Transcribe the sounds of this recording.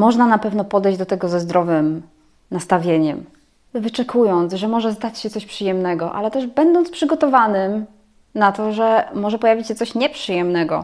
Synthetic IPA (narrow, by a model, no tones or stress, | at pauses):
mɔʐnanapɛvnɔpɔd̪ɛjd͡ʑd̪ɔt̪ɛɡɔzɛzd̪ɾɔvɘm | nast̪avʲjeɲɛm | vɘt͡ʂɛkʰujɔnt̪sʐɛmɔʐɛst̪at͡ɕɕɛt̪sɔɕpʂɨjɛmnɛɡɔʔa̰lɛt̪ɛʐbɛnd̪ɔntspʂɘɡɔt̪ɔvanɘm | nat̪ɔʐɛmɔʐɛpɔjavʲit͡ɕɕɛt̪sɔɕɲɛpʂɘjɛmnɛɡɔ̰